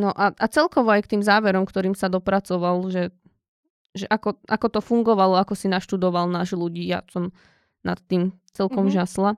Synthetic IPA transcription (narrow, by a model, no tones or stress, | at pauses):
nɔʔaʔat͡sɛlkɔʋɔajkt̪iːmzaːʋɛɾɔmkt̪ɔɾiːmsad̪ɔpɾat͡sɔʋalʒɛ | ʒɛʔakɔʔakɔt̪ɔfuŋɡɔʋalɔakɔsinaʃt̪ud̪ɔʋalnaːʒluɟiːja̰sɔm | na̰t̪ːiːm | t͡sɛlkɔmʒasla